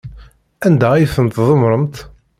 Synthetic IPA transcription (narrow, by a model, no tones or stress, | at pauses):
ænd̪ææjθənt̪ðˤəmɾˤəmt̪